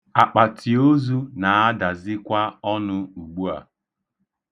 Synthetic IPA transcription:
a˨k͡pa˨tʰi˨o˦zu˦na˨a˦da˨zɪ˦kʷa˦ɔ˦nʊ˦u˨ɡ͡bu˦a̰˨

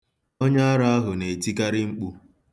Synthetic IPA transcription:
o˦ɲa˦a˦ɾa˦a˦ɦʊ˨ne˨ti˦ka˦ɾɪ˦ŋ͡m̩˦k͡pu˦

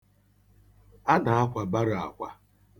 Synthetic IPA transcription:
a˦na˨a˦kʷa˨ba˦ɾa̰˨kʷa˦

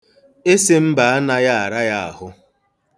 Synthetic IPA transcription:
e˦se˦m̩˦ba˨a˦na˦ja˦a˨ɾa˦ja˦a̰˨ɦʊ˦

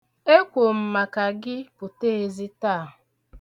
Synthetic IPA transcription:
e˦kʷo˨m̩˨ma˨ka˨ɡɪ˦pʊ˨te˦e˨zi˦taː˦˨ɦ

